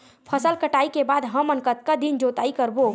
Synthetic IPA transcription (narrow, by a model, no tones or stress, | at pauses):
pʰəsəlkəʈaːikebaːd̪ɦəmənkət̪̚kad̪ind͡ʒot̪aːikəɾbo